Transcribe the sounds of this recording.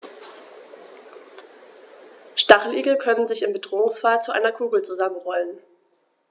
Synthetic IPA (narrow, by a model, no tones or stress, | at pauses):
ʃtaχl̩ʔiːɡl̩kʰœnənzɪçɪmbədʁoːʊŋsfaːt͡suʔa̰ɪnɐkʰuːɡl̩t͡suzamənʁɔlən